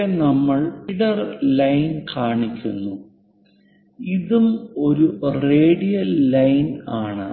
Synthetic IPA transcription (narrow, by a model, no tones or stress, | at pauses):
enɐmːɐɭiɽɐrlɐjnkaːɳikʲːunːu | iðumo̞ɾure̞ːɽijɐllɐjnaːɳɨ̰